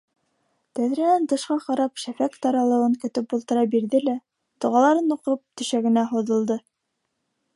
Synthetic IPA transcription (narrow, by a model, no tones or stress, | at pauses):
t̪æðɾinænt̪ɤ̆ʃqɑqɑɾɑpʃæfækt̪ɑɾɑlˠɤ̆ɤŋkɵ̆t̪ɘpulˠt̪ɤ̆ɾɑbiɾðɘlæ | t̪ŏʁɑlˠɑɾɤnuqɤp̚t̪ɵ̆ʃæɡɘ̆næɦuðɤ̆lˠd̪ɤ